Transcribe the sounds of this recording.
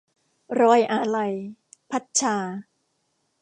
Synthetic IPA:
ɾɔː˧jʔaː˨˧˩la˧j | pʰa˦˥t̪̚t͡ɕʰaː˧

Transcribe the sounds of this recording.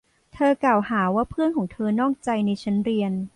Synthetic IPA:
t̪ʰɤː˧klaː˨˩whaː˩˦waː˥˩pʰɯ˥˩ənkʰɔː˩˦ŋt̪ʰɤː˧nɔː˥˩ŋt͡ɕa˧jna˧jt͡ɕʰa˦˥nɾi˧ən

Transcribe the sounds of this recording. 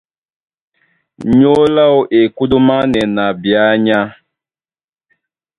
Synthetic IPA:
ɲo˦la˦wʔe˨ku˦du˦ma˦nɛ˨na˨bja˨˦ɲa˦

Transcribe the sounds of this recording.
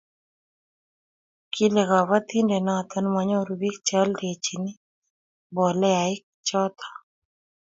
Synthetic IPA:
kʰi˦lɛ˨ɣa˨wa˦t̪i˦nde˨na˨t̪ɔ˦nma˨ɲɔ˦ɾu˨bi˦k̚t͡ʃa˦lɾe˨t͡ʃi˨nɪ˦ | bɔ˨lɛ˦a˨ɪ˦k̚t͡ʃɔ˦t̪ʰɔ̥˨

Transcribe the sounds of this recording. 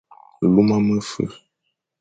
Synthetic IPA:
lu˦mã˦mə˦fə̰˨

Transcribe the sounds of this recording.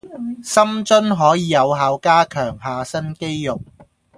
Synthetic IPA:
sɐ˥mt͡ʃɵ˥nɦɔː˨˥jiː˨˧jɐ˨˧wɦaː˨˧wkaː˥kʰœː˨˩ŋɦaː˨˧sɐ˥nke˥jːʊ˨k̚

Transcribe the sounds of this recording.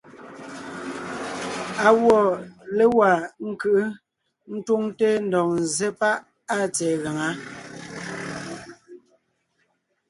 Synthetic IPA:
a˨wɔ˨le˦wa˨ŋ̩˦kɯ˦ʔ | n̩˦twu˦ŋte˦n̩˦dɔ˨ŋn̩˨ze˦pa˦ʔ | a˦˨t͡sɛː˨ɣa˨ŋa˨˦

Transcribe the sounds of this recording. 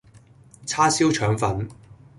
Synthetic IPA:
t͡sʰaː˥siː˥wt͡ʃʰœː˨˥ŋfɐ˨˥n

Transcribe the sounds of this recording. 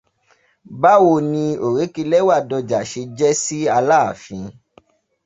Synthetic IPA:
ba˦wo˧˨nĩ˧o˨ɾe˨˦ki˧lɛ˦wa˦˨dɔ˧d͡ʒa˨ʃe˧d͡ʒɛ˦si˦a˧laː˦˨fḭ̃˨˧˦

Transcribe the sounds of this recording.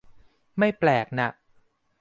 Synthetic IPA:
ma˥˩jplɛː˨˩k̚na˨˩ʔ̚

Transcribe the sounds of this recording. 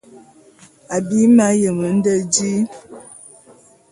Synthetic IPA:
a˨bi˦ma˦jə˨mə˨˦n̩˦də˦d͡ʒi˦

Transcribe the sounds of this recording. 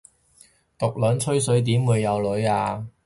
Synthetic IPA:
t̪ʊ˨k̚lɵ˨˥nt͡sʰɵ˥ɥsɵ˨˥ɥt̪̬iː˨˥mwuː˨˧jːɐ˨˧wlɵ˨˥jaː˧

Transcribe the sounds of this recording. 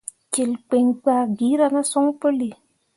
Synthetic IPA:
ke˨lk͡pe˨ŋk͡pa˨ɡi˨˦ɾa˦˧na˦so˦ŋ˦po˦le˨

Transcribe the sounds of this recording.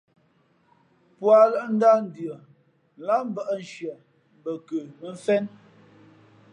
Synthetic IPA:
pwa˨lə˦ʔn̩˦da˦n̩˨dɰə˨ | n̩˨la˦m̩˦bə˦˨ʔn̩˨ʃjə˨ | m˨bə˨kə˨bə˦ɱ̩˦fɛ˦n

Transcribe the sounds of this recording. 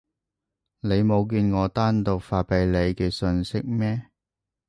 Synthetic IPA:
ne˨˧jmo˨˧wk̬yː˧nŋɔː˨˧t̪aː˥nt̪ʊ˨k̚faː˨˧t̚pe˨˧jle˨˧jkɛː˧sɵ˧nsɪ˥k̚mɛː˥

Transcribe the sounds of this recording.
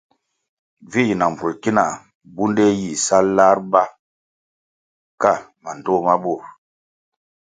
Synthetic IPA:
vi˦ji˨na˨m˨bu˨lki˦na˨ | bu˦nde˦ji˨sa˦lla˦ɾba˦ | ka˦˨ma˨n˨do˦˨ma˦bo˦˨ɾ

